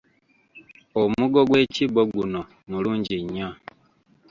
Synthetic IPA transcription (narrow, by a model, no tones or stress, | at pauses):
omuɡoɡwe̞ːciboɡuno | muluːɲɟiɲːa